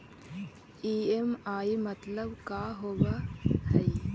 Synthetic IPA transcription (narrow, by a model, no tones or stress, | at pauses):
iːemaːimɐt̪lɐbkaːɦoʋɐhɐj